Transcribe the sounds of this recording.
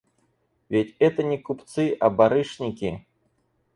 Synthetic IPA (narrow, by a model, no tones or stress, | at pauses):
vʲet͡sʲɛt̪ɐnʲɛkupt̪sɨʔɐbaɾɨʂnʲikʲḭ